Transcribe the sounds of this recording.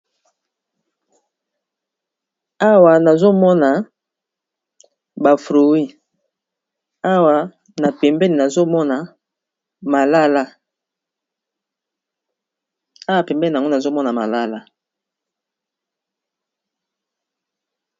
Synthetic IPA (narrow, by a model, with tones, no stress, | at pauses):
a˦wa˨na˨zo˦mɔ˦na˨ | ba˨fʁo˨wi˦ | a˦wa˨ | na˨pɛ˨mbɛ˦ni˨na˨zo˦mɔ˦na˨ | ma˨la˦la˦ | a˦wa˨pɛ˨mbɛ˦li˨a˨ŋɡna˨zo˦mɔ˦na˨ma̰˨la˦la˦